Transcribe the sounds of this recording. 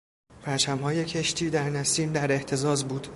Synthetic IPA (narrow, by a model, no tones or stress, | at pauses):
pʰæɾt͡ʃʰæmhɒːje̞cʰeʃt̪ʰiːd̪æɾnæsiːnd̪æɾe̞ht̪ʰe̞zɒːzbuːd̪̥